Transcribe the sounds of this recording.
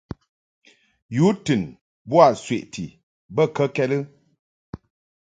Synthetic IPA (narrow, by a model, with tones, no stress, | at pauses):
ju˨˦tɨ˨n | bwa˦˨sɥe˨ʔtʰḭ˨ | bə˦˨kə˦kɛ˦lə˦